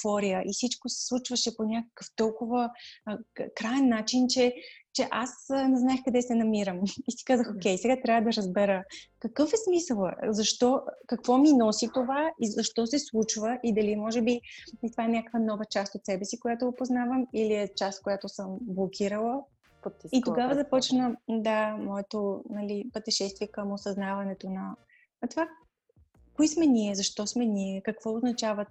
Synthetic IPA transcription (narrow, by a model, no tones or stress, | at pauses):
fɔɾijəʔifsit͡ʃkosɛ̥slˠut͡ʃvəʃɛponʲakə̥kəft̪ɔlˠkovə | kɾaɛnːat͡ʃint͡ʃɛt͡ʃɛʔasnɛznaɛxkɐd̪ɛsɛnɐmiɾəmisi̥kazəxokʲɛjsɛɡat̪ɾʲavəd̪ɐɾəzbɛɾəkɐkɤfɛsmisəlˠəzɐʃt̪ɔkɐkvɔminɔsit̪ovaizɐʃt̪ɔsɛslˠut͡ʃvəʔid̪ɐlimɔʒɛbiit̪ovaɛnʲakəkvənɔvət͡ʃast̪ot̪sɛbɛsikojat̪oɡopoznavəmiliɛt͡ʃast̪̚kojat̪osəmblˠokʰʲiɾəlˠə | pt̪it̪oɡavəzɐpɔt͡ʃnəd̪amɔɛt̪onɐlipət̪ɛʃɛst̪viɛkəmosɐznavɐnɛt̪onɐ | t̪ova | koismɛnʲiɛzɐʃt̪ɔsmɛnʲiɛkɐkv̥ɔoznɐt͡ʃavə